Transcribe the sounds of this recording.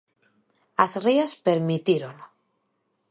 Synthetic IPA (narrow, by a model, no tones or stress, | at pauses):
azriaspeɾmit̪iɾon